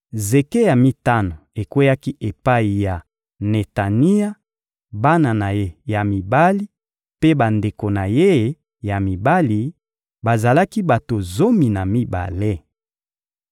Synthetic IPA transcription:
ze˨ke˦ja˨mi˦ta˦no˨e˨kwe˦ja˦ki˦ʔe˨pa˦i˨ja˨ | ne˨ta˨ni˦a˦ | ba˦na˨na˨je˦ja˨mi˨ba˦li˦ | pe˦ba˨nde˨ko˨na˨je˦ | ja˨mi˨ba˦li˨ | ba˨za˨la˦ki˦ba˨to˨zo˦mi˨na˨mi˦ba̰˨le˦

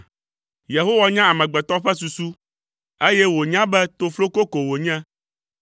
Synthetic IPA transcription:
je˨ɦo˦wa˦ɲã˦a˨mɛ̃˨ɡ͡bɛ˨t̪ɔ˦ɸɛ˦su˨su˦ | e˦jɛ˦wo˨ɲã˦bɛ˦t̪o˨flo˦ko˦ko˨wo˨ɲɛ̃˦

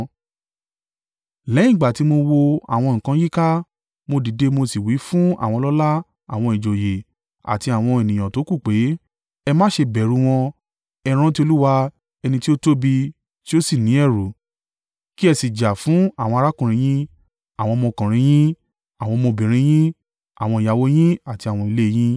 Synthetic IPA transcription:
lɛ˨˦ĩ˦˨ɡ͡ba˨ti˨˦mo˧wo˧a̰˨w̃ɔ̃˧ŋ̩˨kã˧˦ji˦ka˦ | mo˧di˨˦de˧˦mo˧si˨wi˨˦fũ˦a̰˦˨wɔ̃˧lɔ˦la˦ | a̰˨w̃ɔ̃˧i˨d͡ʒo˨je˨ | a̰˨ti˧a˨w̃ɔ̃˧ɛ˨nĩ˨j̃ã˨to˨˦ku˦˨k͡pe˨˦ | ɛ˧mãː˦ʃe˧bɛ˨ɾũ˨˧w̃ɔ̃˧ | ɛ˦˧ɾ̃ã˦ti˦o˧lu˦wa˧ | ɛ˧nĩ˧ti˦o˦to˦bi˧ | ti˦o˦si˦˨nĩ˨˦ɛ˦˨ɾu˨ | ki˦ɛ˧si˨d͡ʒa˨fũ˨˦a˦˨wɔ̃˧a˧ɾa˦kũ˨ɾ̃ĩ˧˦j̃ĩ˦ | a˨w̃ɔ̃˧mɔ̃˧kã˨ɾ̃ĩ˧j̃ĩ˦ | a˨w̃ɔ̃˧mo˧bĩ˨ɾ̃ĩ˧j̃ĩ˦ | a̰˨w̃ɔ̃˧i˨ja˨wo˧j̃ĩ˦a˨ti˧a˨w̃ɔ̃˧i˧le˦˧j̃ĩ˦

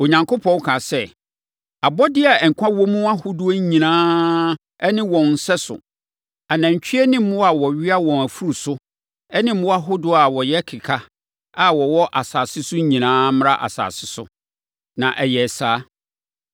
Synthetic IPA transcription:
o˨ɲã˨ŋko˦pʰɔ̃˦wkʰa˨sɛ˦ | a˨bɔ˦dɪ˦a˨ɛ˨ŋ̩˨kʷʰã˦wɔ˦mũ˦a˦hʊ˦dʊ˦ɲĩ˨nãː˦ | ɛ˦nɪ̃˦wɔ̃˨n̩˨sɛ˦sʊ̰˨ | a˨nã˨ɲ˨t͡ɕʰᶣi˦ɛ˦nɪ̃˦m̩ː˦ʊ̃˦a˨wɔ˨ɥɪ˦a˦wɔ̃˨næ˨fu˦ɾu˨sʊ˦ | ɛ˦nɪ̃˦mʊ̃˦a˦ɦʊ˦dʊ˦a˨wɔ˨jɛ˦kʰɪ˨kʰa˦ | a˦wɔ˨wɔ˦ʔa˨saː˨sɪ˦sʊ˦ɲĩ˨nãː˦m̃˦ɾa˦ʔa̰˨sa̰ː˨sɪ˦sʊ̰˦ | nã˨ʔɛ˨jɛ˨saː˨˦

